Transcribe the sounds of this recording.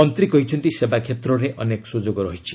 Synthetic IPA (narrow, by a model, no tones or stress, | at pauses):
ɔnt̪ɾikɔɦit͡ʃʰɔnt̪isebakʰet̪ɾɔɾeʔɔnekɔ̥sud͡ʒoɡɔɾɔɦit͡ʃʰi̥